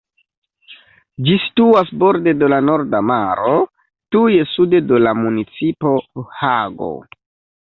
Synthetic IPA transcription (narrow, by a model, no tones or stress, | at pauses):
d͡ʒisi̥tuasbo̞ɾde̞do̞lano̞ɾdamaɾo̞ | tuje̞sude̞dolamunit͡sipo̞haɡo̰